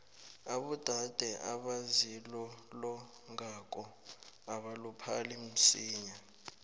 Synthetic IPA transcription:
aɓud̥ʱad̥ʱɛʔaɓazilɔlɔ | ŋak̬ʼɔaɓalupʰalim̩siːɲa

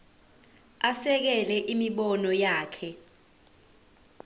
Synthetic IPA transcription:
asɛk̬ɛlɛʔimiɓɔnɔjaːkʰɛ

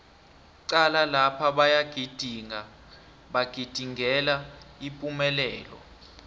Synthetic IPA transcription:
ǀalalapʰaɓajaɡ̥ʱid̥ʱiŋa | ɓaɡ̥ʱid̥ʱiŋʱɛlaipʼumɛlɛːlɔ̰

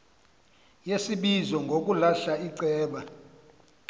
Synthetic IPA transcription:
jesiɓizɔŋɡʱok̬ulaɬaiǀɛːɓa

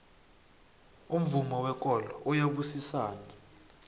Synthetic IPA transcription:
um̩vumɔwɛk̬ʼɔlɔʔɔjaɓusisaːni

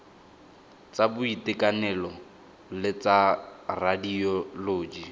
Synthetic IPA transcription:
t͡sabʊitɪkanɛlɔ | lɪt͡saradiɔloːd͡ʒi

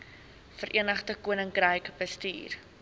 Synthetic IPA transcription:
fəɾʔiənəχdəkuənəŋkrəjkbəstiːr

